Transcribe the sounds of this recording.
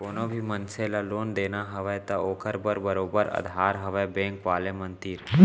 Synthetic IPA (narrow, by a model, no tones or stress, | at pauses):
koːnõbʱimə̃nselaloːnd̪eːnaɦɐʋet̪ɐoːkʰəɾbəɾbəɾoːbəɾɐ̰d̪ʱɦaːɾɦɐʋebẽːŋkʋaːlemə̃nt̪iːɾ